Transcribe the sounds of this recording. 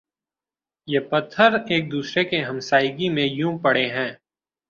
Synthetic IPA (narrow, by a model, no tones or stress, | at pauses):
jepɐt̪ʰːəɾeːk̚d̪uːsɾekeɦɐ̃msaːɪɡimẽjũpɐɽeɦɛ̃ː